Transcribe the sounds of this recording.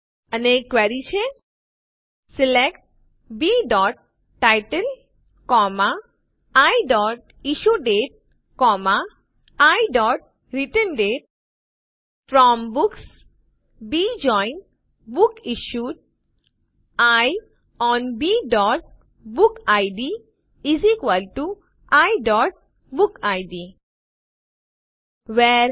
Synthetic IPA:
ənekʋɛɾit͡ʃʰe | silekʈ̚ | biɖɔʈ̚ː | ajʈəl | kɔma | ajɖɔʈ̚ | iʃuɖeʈ̚ | kɔma | ajɖɔʈ̚ | ɾiʈənɖeʈ̚ | fɾɔmbuks | bid͡ʒɔ̃ɪ̃n | bukiʃuɖ̚ | aj | ɔnbiɖɔʈ̚ | bukajɖi | izikʋəlʈu | ajɖɔʈ̚ | bukajɖi | ʋɛɾ

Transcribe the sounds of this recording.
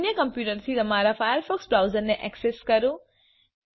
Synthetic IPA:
njəkɐmpjuːʈəɾt͡sʰitɐmaɾapʰajəɾpʰoksbɾawzəɾneʔɛkseskɐɾũ

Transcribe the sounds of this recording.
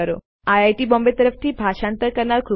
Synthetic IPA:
əɾo̰ | ajajʈiːbɔ̃mbet̪əɾəft̪ʰiːbʱaɕãnt̪əɾkəɾɳaɾkʰu

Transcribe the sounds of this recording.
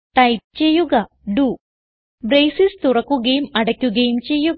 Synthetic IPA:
ʈɐjp̚t͡ɕejːuɡɐ | ɖu | bɾejsist̪uɾɐkːuɡejumɐɽɐkʲːuɡɐjumt͡ɕejːuɡ

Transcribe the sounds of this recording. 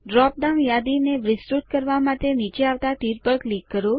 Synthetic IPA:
ɖɾɔp̚d̪ãʋjad̪ineʋɾɪsɾuʈ̚kəɾʋamaʈenit͡ʃeaʋt̪aʈiɾpəɾklikːəɾu

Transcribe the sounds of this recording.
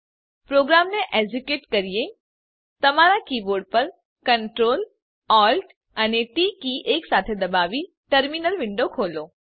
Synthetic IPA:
pɾoːɡɾaːmneʔeːd͡ʒʊkeːʈkɐɾije | t̪ɐmaːɾakiːboːɾɖ̚pɐɾ | kɐɳʈɾoːl | ɔːlʈ | ɐneʈiːkiʔeːksaːt̪ʰed̪ɐbaːʋi | ʈɐɾminəlʋɪ̃ɳɖokʰoːloː

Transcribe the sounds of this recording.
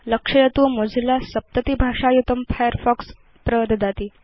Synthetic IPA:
ləkʂəjat̪umod͡zilasəp̚t̪ət̪ibʱaʂajut̪əmfajəɾfɔks | pɾəd̪d͡z̪at̪iː

